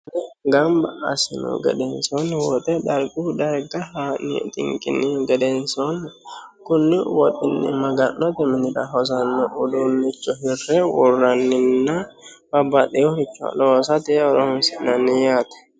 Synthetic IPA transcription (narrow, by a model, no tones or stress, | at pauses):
t̪ɛɡɐmbɐɐ̰sɪnṵɡɛ̰d̪ɛnsɔnwɔt̪ʼɛd̪ɐɾɡuːd̪ɐɾɡɐhanḭt̪ʼɪ̰ŋkʼɪ̰nːɪɡɛd̪ensɔnkʊnːɪwɔt̪ʼɪnːɪ̰mɐɡɐnːɔt̪ɪmɪnɪdɐ̰ɦɔs̬ɐnːɔʔʊd̪unːɪt͡ʃːɔɦɪrːɛwɔrːɐnːɪnːa | b̥ɐbːɐt̪ɛjɔhɪt͡ʃːɔɐ̰loːsɐt̪ɛɔɾohnsɪnːɐnːɪjaːt̪ɐ̥